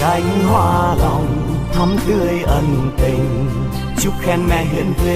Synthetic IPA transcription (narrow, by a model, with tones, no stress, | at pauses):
kaː˧˩jmi˧˥ɦwaː˧˩ɾa˧˩w | t̪ʰa˧˥mt̪ɯ˧˩əjʔa˧np̪e˨˩ŋ | t͡ɕu˧˦˥p̚kʰɛ˧nmɛ˧˥ɦe˨˦npʰɯ˧